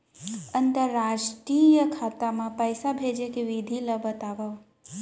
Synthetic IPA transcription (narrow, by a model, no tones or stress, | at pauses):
ənt̪əɾːaʃʈɾijəkʰat̪amãpəjsabʱed͡ʒekeʋid̪ʱiləbət̪aʋaʋ